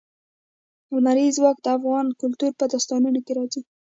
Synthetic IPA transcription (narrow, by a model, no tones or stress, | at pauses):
awnaɾizwɑk̚d̪əafɣɑnkʊlt̪uɾpəd̪ɑst̪ɑnunokeɾɑzi